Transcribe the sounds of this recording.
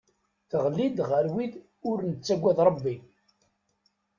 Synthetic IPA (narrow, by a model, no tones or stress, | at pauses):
θəʁlːid̪ʁəɾwið | ʊɾnət͡sːæɡʷːæðɾˤəbːi